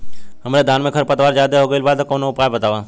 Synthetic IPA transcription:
həmɾed̪ʱaːnmẽkʰəɾpət̪ʋaːɾd͡ʒaːd̪eɦoːɡəilbaːd̪koːnoʊpaːjbət̪aːʋaː

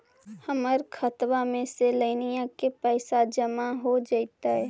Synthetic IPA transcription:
həməɾkʰət̪wamẽseləɪnijãkepɛːɪsad͡ʒəmaɦod͡ʒaːt̪aɦɛː

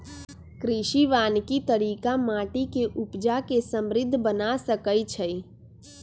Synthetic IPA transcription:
kɾɪʃiʋaːnkit̪əɾiːkamaːʈikeʔʊpd͡ʒakesə̃mɾɪd̪ʱːbənasəkəit͡ʃʰəi

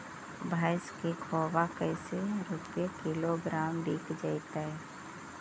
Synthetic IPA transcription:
bʱaːɪskikʰɔːbakəɪseɾuːpekɪloɡɾaːmɖiːkd͡ʒaːɪt̪aɦɛː

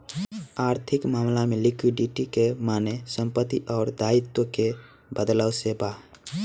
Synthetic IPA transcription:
aːɾt̪ʰɪkmaːmlamẽlɪkwiɖiʈikemaːnesə̃mpət̪ːiʔɔːɾd̪aːɪt̪woke | bəd̪ləwsebaː

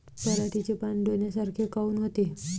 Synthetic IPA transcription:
pəlaʈʰit͡ɕepanɖonjasaɾkʰekauːnɦot̪e

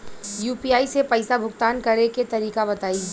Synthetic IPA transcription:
juːpiːaːisepɐɪsabʱʊkt̪aːnkɐɾeket̪ɐɾiːkabɐt̪aːi

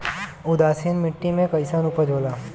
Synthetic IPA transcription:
ʊd̪aːsinmɪʈːimẽkɐɪsanuːpəɾd͡ʒʱoːlaː

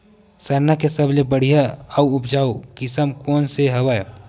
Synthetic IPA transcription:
sɐɾnakesəblebəɽ̤ijaauʊpʰd͡ʒaːukɪsəmkoːnseɦɐwaːjo

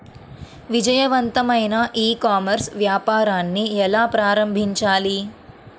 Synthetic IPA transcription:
ʋid͡ʒɐjɐʋɐnt̪ɐmɐjnɐʔiːkaːmɐɾsʋjaːpaːɾaːnːiɛlaːpɾaːɾɐmbʱiɲt͡ʃaːli

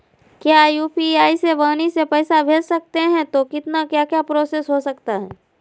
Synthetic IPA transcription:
kjaːjuːpiaːiseʋaːnisepɛːsabʱeːd͡ʒsɐk̚t̪eɦɛ̃t̪okɪt̪nakjaːkjapɾoːsesɦosɐkt̪aɦɛː

